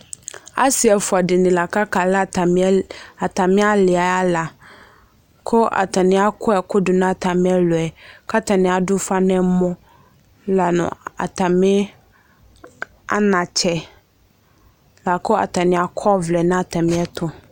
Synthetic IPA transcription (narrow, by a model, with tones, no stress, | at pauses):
a̰˦si˨ɛ˨fʊ˨a˨dɪ˨nɪ̃˨la˨ka˦kʰa˨la˦˨ | a˨tʰa˨mɪ̃˦a˦lɪ˨a˨a˦la˨ | kʰʊ˦ʔa̰˨tʰa˨nɪ̃˨˦a˦kʰʊ˦ɛ˨kʰʊ˦dʊ˨nã˦a˨tʰa˨mɪ̃˦ɛ˦lʊ˨ɛ˨kʰa˦tʰa˨nɪ̃˨˦a˨dʊ˦fa˦nɛ̃˦mɔ̃˦ | la˨nʊ̰̃˨a̰˨tʰa˨mɪ̃˦ | a̰˦nã˨t͡ɕʰɛ˨ | la˨kʰʊ˦a̰˨tʰa˨nɪ̃˨a˨kʰɔ˦vlɛ˨nã˦a˨tʰa˨mɪ̃˦ɛ˦tʰʊ˨